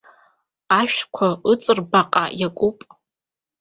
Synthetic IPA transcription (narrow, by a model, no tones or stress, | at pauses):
aʃᶣkʷʰaɨt͡sʼɨrbaqʼa̰jakʷʼupʼ